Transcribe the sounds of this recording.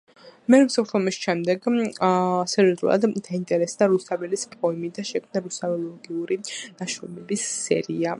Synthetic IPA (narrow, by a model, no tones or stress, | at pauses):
mɛɾɛmsalɔɔmisʃɛmd̪ɛɡ | sɛɾiɔzɾṵlˠa̰d̪d̪aint̪ʼɛɾɛsd̪aɾust̪ʰavɛlispʼɔimid̪aʃɛkʰmnaɾust̪ʰavɛlˠɔɡiuɾinaʃɾɔmɛbisːɛ̰ɾia